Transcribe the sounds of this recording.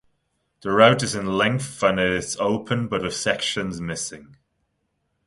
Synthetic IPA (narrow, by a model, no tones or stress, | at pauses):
ðəɹaʊtɪzɪ̃nlɛ̃ŋkθə̃nɪtsoʊpʰə̃nbəʔwɪð̥sɛkʃə̃nzmɪsɪ̃ŋ